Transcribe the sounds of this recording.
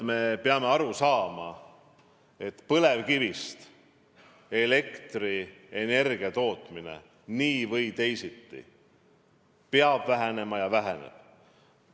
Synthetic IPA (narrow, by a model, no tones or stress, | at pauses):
me̞peɑme̞ɑɾusɑːmɑ | e̞t̪ːpɤle̞vkivist̪ | e̞le̞kt̪ri | e̞ne̞rɡiɑt̪o̞ːt̪ˑmine̞̰ | niːvɤjt̪e̞jsit̪ːḭ | peɑb̥væɦene̞mɑjɑvæɦenḛb̥̚